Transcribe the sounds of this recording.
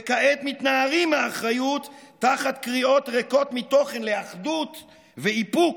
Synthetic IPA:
ekaʔet̪mit̪naaʁimaːχʁajut̪ː | aχat̪kʁio̞t̪ʁeko̞t̪mit̪o̞χe̞nleaχd̪ut̪ | veipuk

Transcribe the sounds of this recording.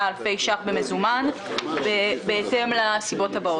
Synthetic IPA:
alfe̞jʃaχbeme̞zumanbebeete̞mlasibo̞thabao

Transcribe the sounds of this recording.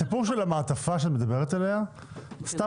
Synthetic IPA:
ipuʁʃelamaːt̪afaʃeat̪med̪abe̞ʁet̪ale̞a | st̪a

